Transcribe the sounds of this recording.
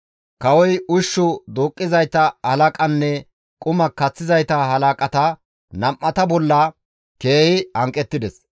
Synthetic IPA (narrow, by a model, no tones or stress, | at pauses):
kɐwɔjʊʃːʊd̪oːkʼːɪzɐjt̪ɐhɐlɐkʼɐnːɛ | kʼʊmɐkɐt͡sːɪzɐjt̪ɐɦɐlɐkʼɐt̪ɐ | nɐmʔːɐt̪ɐbɔlːɐ | ke̞ːhɪhɐŋkʼːɛt̪ːɪd̪ɛs